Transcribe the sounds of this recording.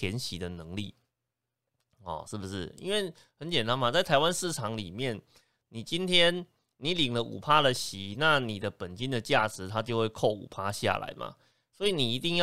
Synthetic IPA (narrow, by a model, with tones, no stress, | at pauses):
jɛ˧˥nɕi˨˥d̪ə˨nɤ˧˦ŋlḭ˥˩ | ɔ̰˨˩ʂɻ̩˥˩bu˨˩ʂɻ̩˥˩ḭ˥nwe˥˩ɪ | hə˧˦nt͡ɕjɛ˨˩nt̪a˦˥nma˨t͡sa˥˩ɪt̪ʰa˧˥ɪwa˦˥nʂɻ̩˥˩ʈ͡ʂʰɑ˧˦ŋli˨˩mjɛ˥˩n | ni˨˩t͡ɕi˥nt̪ʰjɛ˥n | ni˧˨˥li˨˩ŋlə˦ʔṵ˨˩pʰa˥lə˨ɕi˨˦na˥˩ni˨˩d̪ə˦pə˨˩nt͡ɕi˦˥nd̪ə˨t͡ɕja˥˩ʈ͡ʂɻ̩˧˦t̪ʰa˦t͡ɕjo˥˧ʊwe˥˧ɪkʰo˥˩ʊṵ˨˩pʰa˥ɕja̰˨˩la̰˧˦ɪmʔa̰˩ | swɔ˧˥i˨˦ni˨˩i˧˥t̪i˥˧ŋjɑ˥